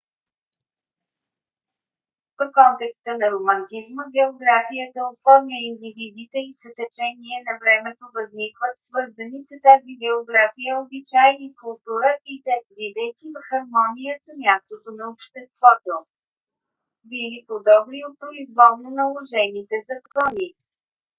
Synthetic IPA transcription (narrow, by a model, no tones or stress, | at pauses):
pokɔnt̪ɛkst̪ənɐɾomənt̪izməɡɛoɡɾafijət̪əofɔɾmʲjəind̪ivid̪it̪ɛisɐt̪ɛt͡ʃɛniɛnɐvɾɛmɛt̪ovəznikvət̪svɤɾzənisət̪aziɡɛoɡɾafijəobit͡ʃajnikʊlˠt̪uɾəʔit̪ɛvid̪əjk̟ivɐxɐɾmɔnijəsəmʲjast̪ot̪onɐopʃt̪ɛst̪vɔt̪o | bilipod̪ɔbɾiot̪̚pɾoizvɔlˠnonɐlˠoʒɛnit̪ɛzɐkɔni